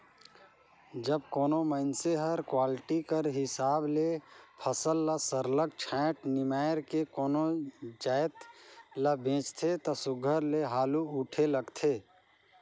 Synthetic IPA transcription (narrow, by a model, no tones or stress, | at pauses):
d͡ʒəbkoːnomənseɦəɾkwaːlʈikəɾɦɪsaːblepʰəsəlːəsəɾlək̚t͡ʃʰãʈnɪmaːjɾkekoːnod͡ʒaɪt̪ləbẽːt͡ʃt̪ʰet̪ɔsʊɡʱəɾleɦaːluuʈʰeləɡt̪ʰe